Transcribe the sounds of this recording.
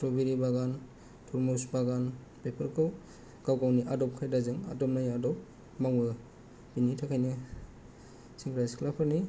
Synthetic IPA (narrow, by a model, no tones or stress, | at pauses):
tɾɔbiɾibaɡan | tʰɔɾmusbaɡan | pepʰɯɾkʰɯw | ɡawkawniʔadɔp̚kʰajdazɯŋa̰dɔmnajadɔp̚ | maŋbɯ | binitʰakʰajnɯ | siŋkʰɾajskʰlapʰɯɾni